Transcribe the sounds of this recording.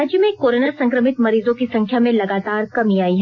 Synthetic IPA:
ad͡ʒjəmẽkoːɾənəɾsɐ̃ŋkɾəmɪt̪mɐɾiːzõkisɐ̃ŋkʰjamẽlɐɡaːt̪aːɾkɐmiaːiɦɛ

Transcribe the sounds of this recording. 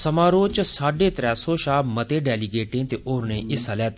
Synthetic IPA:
səmaːɾoːt͡ʃəsaːɖeːt̪ɾɛːsoːʃaːmət̪eːɖɛːliɡeːʈẽːt̪eʔoːɾnẽːʔɪsəlɛːt̪

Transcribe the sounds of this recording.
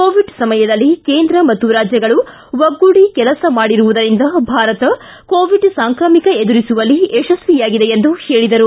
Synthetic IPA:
koːʋiɖsɐmɐjɐd̪ɐlːike̞ːnd̪ɾɐmɐt̪ːuɾaːd͡ʒjɐɡɐɭu | ʋɐɡːuɽikɛlɐsɐmaːɽiɾuʋud̪ɐɾind̪ɐbʱaːɾɐt̪ɐ | koːʋiɖsaːŋkɾɐːmikɐed̪uɾisuʋɐlːiɛʃɐsʋijaːɡid̪e̞jend̪uheːɭid̪ɐɾu

